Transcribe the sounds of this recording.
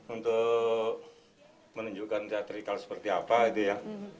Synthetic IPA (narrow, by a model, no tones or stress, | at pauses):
unt̪ʊ | mənuɲd͡ʒukant̪eat̪ɾikalsə̥pərt̪iapait̪uja